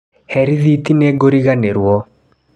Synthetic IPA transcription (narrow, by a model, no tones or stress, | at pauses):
hɛɾiðitineɡoɾiɣaneɾwɔ